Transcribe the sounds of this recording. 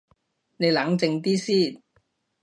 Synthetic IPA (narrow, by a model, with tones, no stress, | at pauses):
ne˨˧jla˨˥ŋt͡sɪ˧ŋt̪iː˥siː˥˩